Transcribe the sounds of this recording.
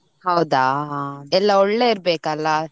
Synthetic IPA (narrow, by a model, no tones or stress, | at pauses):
hɐwd̪aːɛlːɐɔɭːeiɾbeːkɐlːa